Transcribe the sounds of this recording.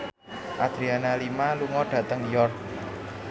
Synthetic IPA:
ʔad̪̥ɾianalimaluŋɔɖ̥ä̤t̪əŋjɔrk̚

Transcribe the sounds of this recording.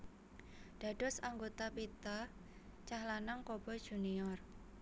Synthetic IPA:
d̥a̤ɖ̥ɔ̤saŋɡot̪apit̪a | t͡ʃahlanaŋkob̥ɔd̥ʒ̥uniɔr

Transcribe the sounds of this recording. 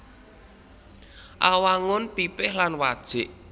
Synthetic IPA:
ʔawaŋʊnpipɪhlanwad̥ʒ̥ɪʔ

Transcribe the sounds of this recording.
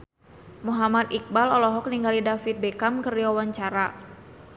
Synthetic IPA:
muɦamat̪ik̚balɔlɔɦɔk̚niŋɡalidafit̪̚bɛkamkəriawaɲt͡ʃaɾa

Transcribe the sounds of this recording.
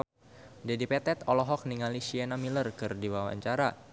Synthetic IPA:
dɛdipɛt̪ɛt̪ɔlɔɦɔk̚niŋaliʃianamilərkɨrdiwawa̰ɲt͡ʃaɾa

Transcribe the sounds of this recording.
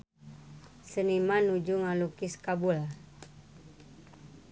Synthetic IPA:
sənimanud͡ʒuŋalukiskabul

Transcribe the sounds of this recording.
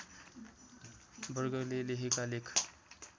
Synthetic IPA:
bəɾɡəleleɦikalekʰ

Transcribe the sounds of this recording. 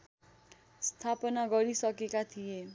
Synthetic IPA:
st̪ʰapʌnaɡʌɾisʌkekat̪ʰije

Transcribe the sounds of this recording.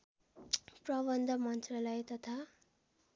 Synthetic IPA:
prʌbʌnd̪ʱʌmʌnt͡srʌlʌjt̪ʌt̪ʰa

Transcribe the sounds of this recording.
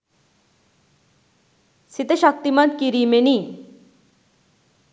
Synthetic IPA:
sit̪əɕak̚t̪imant̪̚kiɾimeni

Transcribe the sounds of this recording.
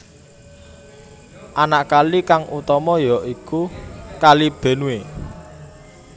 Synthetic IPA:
ʔanaʔkalikaŋʔut̪ɔmɔjɔʔikukalib̥e̤nuwe

